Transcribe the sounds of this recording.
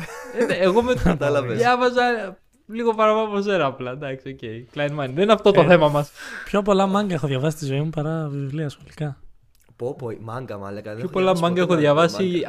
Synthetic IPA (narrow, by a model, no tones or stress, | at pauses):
eːɣomet̪ɐlɐeðjɐvɐzɐ | liɣo̞pɐɾɐpɐpos̬eɾɐɐplɐd̪ɐksio̞ce̞iklɐjnmɐnðenineɐft̪o̞t̪oθe̞mɐmɐspçop̬o̞lɐmɐŋɡɐexoðʝɐvɐsist̪izo̞imupɐɾɐvivliɐːsxo̞likɐ | popmɐŋɡɐmɐ̰lɐkɐçopolɐmɐŋɡɐexoðʝɐvɐsi